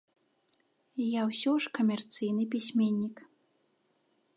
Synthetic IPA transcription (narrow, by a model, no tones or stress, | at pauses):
jawsʲɔʂkɐmʲɛrt̪sɨjnɨp̬ʲisʲmʲenʲːik